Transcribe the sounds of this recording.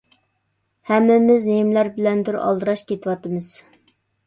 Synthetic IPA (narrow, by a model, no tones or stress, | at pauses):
hɛmːɪmɪznemlæɾbɪlɛnd̪ʊɾɑ̰lˠd̪ɨɾɑʃkʲet̪ʰɨwɑt̪ɨmɨz̥